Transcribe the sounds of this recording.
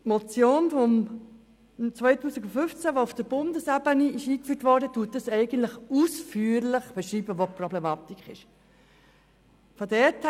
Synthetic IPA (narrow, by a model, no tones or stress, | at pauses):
mɔt͡sjoːnfɔm | t͡svœɪtuːsɪɡufʏft͡sæʋoʊfd̥əɾb̥ʊndəsæbəniɪʃiːkfyːtʋɔɾdətuət̚ːɑsɛɪɡən̩tləχusfyːɾlɪχb̥ɛʃɾiːbəʋoprɔblemɑt̪ikχɪʃ | fodɛtʰ